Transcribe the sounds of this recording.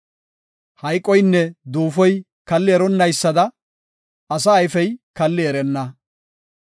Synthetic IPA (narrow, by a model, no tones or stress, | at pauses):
hɐjkʼːɔjnːɛd̪uːfɔj | kɐlːɪɛɾɔnːɐjsːɐd̪ɐ | ɐs̬ɐːjfɛjkɐlːɪɛɾɛnːɐ